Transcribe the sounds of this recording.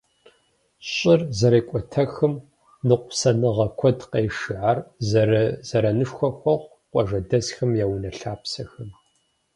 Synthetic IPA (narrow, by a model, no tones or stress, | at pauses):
ɕʼɪrzɐɾeːkʷʼɔtʰɐxɨm | nɨqʷʊpsɐnɨʁɐkʷʰɔdqeːʂɨʕarzɐɾɐzɐɾɐnɨʂxʷɐxʷɔʁʷ | qʷʼɔʒɐdɐzxɐmjaːwnɐɬaːpsɐxɐm